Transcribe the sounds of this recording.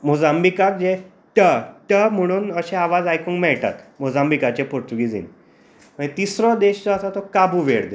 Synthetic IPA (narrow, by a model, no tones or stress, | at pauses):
mod͡zambikakd͡ʑẽ | ʈəʈəm̤əɽ̃uːnəɕẽaʋad͡zajkuːŋkmɛɭʈa̰t̪mod͡zambikat͡ɕepoɾt̪uɡid͡zḭn | məɳt̪isɾɔ̃d̪eɕt͡sɔəsat̪ɔkabuʋeɽd̪